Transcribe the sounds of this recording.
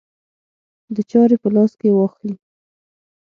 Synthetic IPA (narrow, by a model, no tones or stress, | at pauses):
d̪ət͡ʃɑɾepəlɑskewɑxli